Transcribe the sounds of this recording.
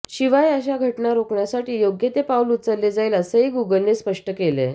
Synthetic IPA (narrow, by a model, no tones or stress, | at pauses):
ɕiʋajəɕaɡʱəʈnaɾokɳjasaʈiːjoɡjet̪epaulut̪t͡səlːed͡zaiːləsəeɡuɡəlnespəʂʈəkelḛ